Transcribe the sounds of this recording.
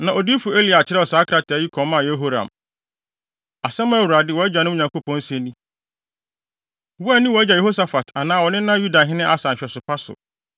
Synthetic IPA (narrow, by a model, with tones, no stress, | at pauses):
nã˨ʔɔ˨di˦fu˨e˦li˨a˨t͡ɕʰɪ˦ɾɛ˦ɔ˨sa˦kʰɾa˨tɪ˨æ˨˦ji˦kʰɔ̃˨˦mã˦˨je˦ɦo˦ɾã̰˨m | a˨sɛ̃˦mã˦˨wu˨ɾa˨dɪ˦˨wɔ˨˦æ˦d͡ʑa˨nʊ̃˦˨ɲã˨ŋko˦pɔ̃˦n̩˦sɛ̃˦nĩ˦ | wɛ˦nĩ˦wɔ˨æ˦d͡ʑa˨je˨ho˦sa˨fa˨tʰa˨nãː˦˨wɔ˨nɪ̃˦nã˦ju˦da˨ɦɪ̃˦nɪ̃˦ʔa˦sã˨m̩˨ɕᶣɛ˨sʊ˨pʰa˦sʊ̰˨